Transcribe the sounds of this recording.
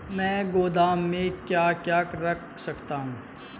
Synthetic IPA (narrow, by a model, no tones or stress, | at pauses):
mɛ̃ːɡoːd̪aːmːẽkjaːkjaːkɾɐkʰsɐkt̪aɦũː